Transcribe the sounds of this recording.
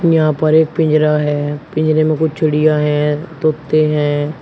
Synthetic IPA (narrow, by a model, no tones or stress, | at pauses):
jɦãːpəɾeːk̚pɪ̃ɲd͡ʒɾaːɦɛːpɪ̃ɲd͡ʒɾeːmẽkʊt͡ʃʰt͡ʃʰəɽɪjaːɦɛ̃ːt̪oːt̪ːeːɦɛ̃ː